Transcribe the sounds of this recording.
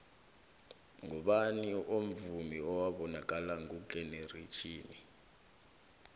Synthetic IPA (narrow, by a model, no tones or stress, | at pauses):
ŋɔɓaniom̩vumiɔwaɓɔnak̬ʼalaŋukɛnerit͡ʃʰʼiːni